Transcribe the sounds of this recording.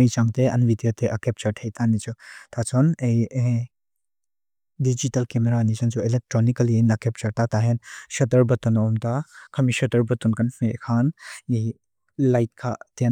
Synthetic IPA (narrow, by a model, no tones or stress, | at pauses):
ɐjt͡ʃaŋteɐ̰nbidijotʰeʔɐkep̚t͡ʃɐɾtʰejtʰanit͡ʃutʰat͡ʃɔnej | did͡ʒitɐlkemeɾanisɐnsuelek̚tɾonikɐlienɐkep̚t͡ʃɐɾtataɦensɐtɐɾbɐtɔnɔmtakʰɐmisɐtɐɾbɐtunkɐnfekʰanej | lajt̚kʰaten